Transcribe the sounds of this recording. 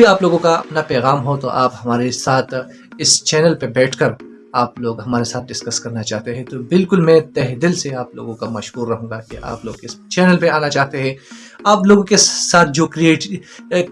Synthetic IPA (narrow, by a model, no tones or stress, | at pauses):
iaːploːɡõkaɐ̰pnapɛːɣaːmɦot̪o̰ʔaːphɐmaːɾesaːt̪ʰ | ɪst͡ʃɛːnəlpebɛːʈʰkɐɾ | aːploːɡɦɐmaːɾesaːt̪̚ʰd̪ɪskɐskɐɾnat͡ʃaːɦt̪eɦɛ̃t̪obɪlkʊlmɛ̃ːt̪ɛɦd̪ɪlseaːplo̰ːɡõkamɐʃɦuːɾːɐɦũːɡakeʔa̰ːploːɡkɪst͡ʃɛːnəlpeaːnat͡ʃaːɦt̪eɦɛ̃ː | aːploːɡõkesaːt̪̚ʰd͡ʒoːkɾieːʈ